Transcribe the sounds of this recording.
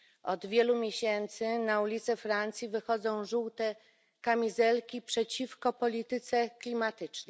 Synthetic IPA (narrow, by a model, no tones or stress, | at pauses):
ɔd̪vʲjɛlumʲjeɕɛnt̪sɘnaulʲit̪sɛfɾant̪sʲjivɘxɔd̪zɔ̃w̃ʐuwt̪ɛ | kamʲizɛlkʲipʂɛt͡ɕifkɔpɔlʲit̪ɘt̪sɛklʲimat̪ɘt͡ʂnɛ